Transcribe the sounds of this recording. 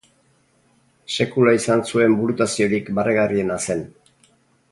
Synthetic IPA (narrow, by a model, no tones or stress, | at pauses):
se̞kulaisansue̞mbulut̪asio̞ɾikbarʔeɣarie̞nase̞n